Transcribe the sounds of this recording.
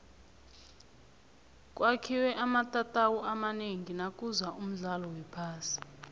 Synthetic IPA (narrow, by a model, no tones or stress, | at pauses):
kʼwakʰiwɛʔamatʼatʼawɔamaneŋinakʼuzaʔum̩ɮalɔwɛpʰaːsi̥